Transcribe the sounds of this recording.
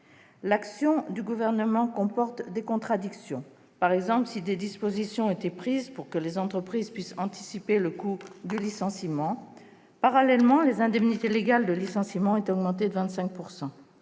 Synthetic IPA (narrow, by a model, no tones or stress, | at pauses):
laksjɔ̃d̪yɡuvɛʁnəmɑ̃kɔ̃pɔʁt̪d̪ekɔ̃t̪χad̪iksjɔ̃ | paʁɛɡzɑ̃pləsid̪ed̪ispozisjɔ̃et̪epχizpuʁkəlezɑ̃t̪χəpχizpɥisɑ̃t̪i̥sipeləkud̪ylisɑ̃simɑ̃ | paʁalɛlmɑ̃lezɛ̃d̪ɛmnit̪eleɡald̪əlisɑ̃simɑ̃et̪ɔɡmɑ̃t̪̬ed̪əvɛ̃t̪sɛ̃k̚puʁsɑ̃